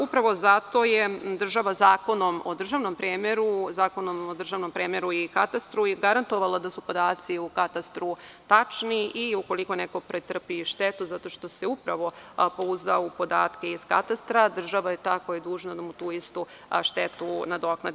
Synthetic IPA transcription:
upɾaʋo̞zat̪o̞jed̪r̩ʒaʋazaːko̞no̞mod̪r̩ʒaʋno̞mpɾeːmeɾuzaːko̞nomod̪r̩ʒaʋno̞mpɾeːmeɾuikat̪ast̪ɾuiɡaɾant̪o̞ʋalˠad̪asupo̞d̪aːt̪siukat̪ast̪ɾut̪at͡ʃniiuko̞lˠiko̞neko̞pɾet̪r̩piʃt̪et̪uzat̪o̞ʃt̪o̞seupɾaʋo̞pouzd̪aupo̞d̪a̰ːt̪ke̞iz̥kat̪ast̪ɾad̪r̩ʒaʋajet̪aːkojed̪uːʒnad̪amut̪uːist̪u | ʃt̪et̪unad̪o̞knad̪

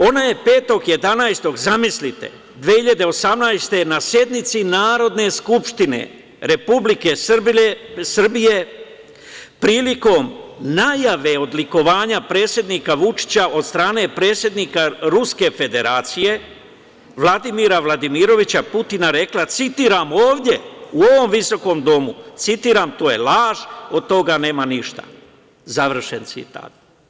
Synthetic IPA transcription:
o̞naje̞pe̞ːt̪o̞ɡje̞d̪anajst̪o̞ɡzamislit̪e̞̰ | d̪ʋehiʎad̪e̞o̞samnajst̪e̞nasje̞d̪nit̪sinaːɾo̞d̪ne̞skupʂt̪ine̞̰ | ɾe̞publike̞s | sr̩bije̞ | pɾiːliko̞ːmnajaʋe̞o̞d̪liko̞ʋaːɲapɾe̞ːt̪sje̞d̪nikaʋut͡ʃi̥t͡ɕaʔo̞d̪st̪ɾaːne̞pɾe̞ːt̪sje̞d̪nikaɾuske̞fe̞d̪e̞ɾaːt̪sije̞ | ʋlˠad̪imiːɾaʋlad̪imiɾo̞ʋit͡ɕaput̪inaɾe̞klat̪sit̪iːɾamoːʋd̪ʲje̞uo̞ʋo̞mʋiso̞ko̞md̪o̞mut̪sit̪iːɾamt̪o̞ːje̞laːʒo̞d̪̚t̪o̞ɡane̞ːmaniʃt̪a̰ | zaʋr̩ʃent̪sḭt̪a̰ːt̪

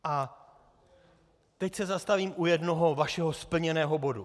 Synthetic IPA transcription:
ʔa | t̪ɛcsɛzast̪aviːmʔujɛdno̞ɦo̞vaʃɛɦo̞spl̩ɲɛnɛːɦo̞bo̞du

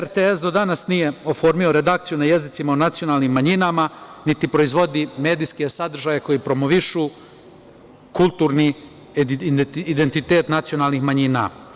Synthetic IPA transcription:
eɾt̪eesd̪o̞d̪anasnije̞o̞fo̞ɾmio̞ɾe̞d̪ak̚t̪sijunajezit̪simaonat̪sijo̞naːlˠnimːaɲinamanit̪ipɾo̞izʋo̞d̪ime̞ːd̪iske̞sad̪r̩ʒajeko̞jipɾo̞moʋiʃuː | kulˠt̪uɾni | id̪ent̪it̪e̞ːt̪nat̪sio̞naːlnixmaɲina̰

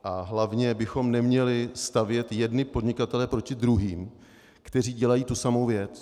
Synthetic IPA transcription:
ʔaɦlavɲɛbɪxo̞mnɛmɲɛlɪst̪avjɛt̪jɛdnɪpo̞d̪ɲɪkat̪ɛlɛpɾo̞cɪd̪ɾuɦiːm | kt̪ɛr̝iːɟɛlajiːt̪usamowvjɛt͡s

